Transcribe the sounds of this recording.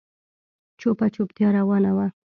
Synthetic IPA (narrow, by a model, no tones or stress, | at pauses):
t͡ʃopat͡ʃopt̪jɑɾawɑnawa